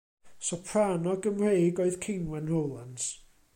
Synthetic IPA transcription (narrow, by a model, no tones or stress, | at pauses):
sɔpʰraːnɔɡəmrejɡoɨðkʰenwɛnrowlˠans